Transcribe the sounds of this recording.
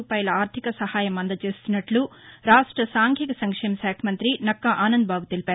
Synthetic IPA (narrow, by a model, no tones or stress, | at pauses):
paːjɐlɐaːɾt̪ʰikɐsɐhaːjɐmɐnd̪ɐt͡ʃe̞ːst̪unːɐʈluɾaːʂʈɾɐsaːŋkʰikɐsɐŋkʂɛːmɐʃaːkʰɐmɐnt̪ɾinɐkːaʔaːnɐnd̪̚bʱaːɡut̪elipæaːɾu